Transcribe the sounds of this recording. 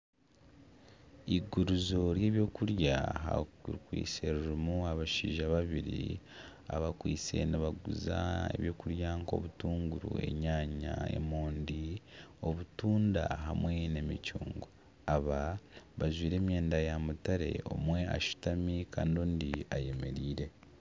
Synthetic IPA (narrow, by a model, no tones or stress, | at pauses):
iɡuɾuzo̞ɾje̞ːβjo̞ːkuɾjaɦa̰ukwḭːseɾuɾumuaβaʃiːʒaβaβiɾḭ | a̰βakwiːt͡se̞̰niβaɡuza̰e̞̰βjo̞ːkuɾjaŋko̞̰βutuːŋɡuɾṵe̞̰ɲaːɲa̰e̞̰moːndio̞βutuːnda̰ɦamwe̞ne̞micuːŋɡo | aβaβaʒwiːɾe̞ːmjeːndajamutaɾe̞̰o̞̰mwe̞a̰ʃu̥tamikʰa̰ːndoːndiaje̞me̞ɾiːɾe̞